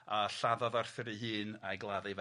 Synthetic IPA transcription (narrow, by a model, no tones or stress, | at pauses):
aɬaðɔðarθɪɾihɨːnajɡlˠaðiv